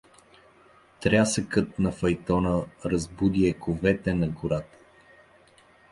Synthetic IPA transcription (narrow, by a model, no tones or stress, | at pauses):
t̪ɾʲasəkət̪̚nɐfɐjt̪ɔnəɾɐzbud̪iɛkovɛt̪ɛnɐɡʊɾat̪ə̥